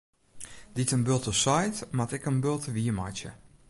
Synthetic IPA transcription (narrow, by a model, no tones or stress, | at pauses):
ditənbølˠtəsajtmatɛkənbølˠtəʋiəma̰jtjə̰